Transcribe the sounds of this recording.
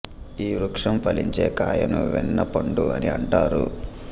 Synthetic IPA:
iːɾukʂɐmpʰɐliɲt͡ʃeːkaːjɐnuʋɛnːɐpɐɳɖuɐniɐɳʈaːɾṵ

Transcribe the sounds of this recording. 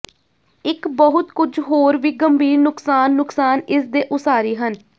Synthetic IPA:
ɪkbəɦʊt̪kʊd͡ʒɦoːɾʋiːɡəmbʱiːɾnʊksaːnːʊksaːnɪsd̪eːʔʊsaːɾiːɦən

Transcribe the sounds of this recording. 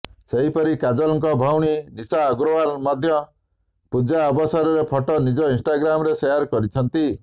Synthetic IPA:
seɦipɔɾikad͡ʒɔlɔŋkɔbʱawɽ̃inisaːɡɾɔwalmɔd̪ʱjɔ | pud͡ʒaɔbɔsɔɾɔɾepʰɔʈɔnid͡ʒɔinsʈaɡɾamɔɾesejaɾkɔɾit͡ʃʰɔnt̪i

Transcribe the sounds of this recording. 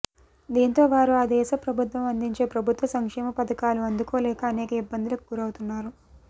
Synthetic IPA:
d̪iːnt̪o̞ːʋaːɾuaːd̪ɛːʃɐpɾɐbʱut̪ʋɐmɐnd̪iɲt͡ʃe̞ːpɾɐbʱut̪ʋɐsɐŋkʂɛːmɐpɐd̪ɐkaːluɐnd̪ukoːlɛːkɐːnɛːkɐibːɐnd̪ilɐkuɡuɾɐwut̪unːaːɾu

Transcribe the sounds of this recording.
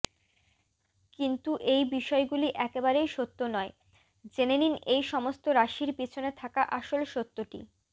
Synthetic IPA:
kint̪uʔejbiʃɔeɡuliʔɛkebaɾejʃot̪ːonɔe | d͡ʑeneninejʃɔmost̪oɾaʃiɾpit͡ɕʰonet̪ʰakaʔaʃolʃot̪ːoʈḭ

